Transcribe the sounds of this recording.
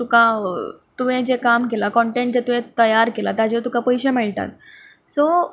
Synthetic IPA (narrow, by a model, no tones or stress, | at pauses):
t̪ukat̪uʋẽd͡ʑekamkelakɔɳʈeɳʈ̚d͡ʑet̪uʋẽt̪əjaɾkelat̪jad͡ʑet̪ukapɔjɕemɛɭʈa̰t̪ | so